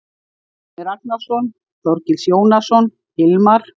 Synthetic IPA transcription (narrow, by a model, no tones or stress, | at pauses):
mɛɾak̚nasɔn | θɔɾcɪlsjoːwnasɔn | hɪlmaɾ̥